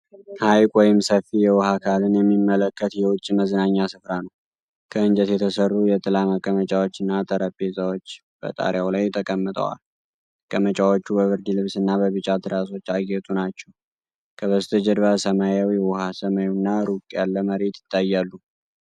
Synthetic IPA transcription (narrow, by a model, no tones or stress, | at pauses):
hajkʼwɔjɪmsəfijɛwɔhakʰalɨnjɛmːimːələkːət̪jɛwʊt͡ʃʼːiməzɨnaɲːasɨfɾanəw | kʰəɨnd͡ʒɛt̪jɛt̪ʰəsərːujɛt̪ʼɨlaməkʼːəmət͡ʃʼawot͡ʃːɨnːat̪ʼəɾəpʼːezʼawot͡ʃː | b̥ə̰t̪ʼa̰ɾjawlajt̪ʰːəkʼəmːɨt̪ʼə̰wa̰l | kʼəmət͡ʃʼawo̞t͡ʃːubəβɨɾd̪ilɨβsɨnːabəβɨt͡ʃʼat̪ʰɨɾaso̞t͡ʃːaɡet̪ʼunat͡ʃːɛw | kʰəβəst̪ʰəd͡ʒəd̪βasəmajawiɛwɔhasəmajnːaɾukʼjalːəməɾe̞t̪jɪ̥t̪ʰːajːalːu